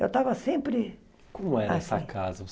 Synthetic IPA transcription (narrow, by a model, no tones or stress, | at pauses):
ḛwt̪avɐsẽpɾɪ | kõmʊɛɾaɐɛssɐ̰kʰazɐvo